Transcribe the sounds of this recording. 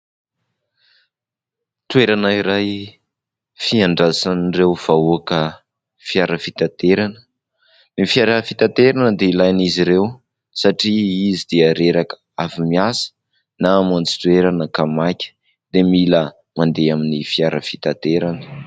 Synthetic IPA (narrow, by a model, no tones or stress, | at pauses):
t̪weɾanaiɾaj | fiaɳɖ͡ʐasanrewv̥auakə | fiaɾəfit̪at̪eɾanə | nifiaɾəfit̪at̪eɾanəd̪eilajniziɾew | saʈ͡ʂiizid̪̥eaɾeɾakə̥ | avimiasə̥ | namant͡si̥t̪weɾanəkamakʲə̥ | d̪̥emilə | mand̪eaminifiaɾəfi̥t̪at̪eɾanə̥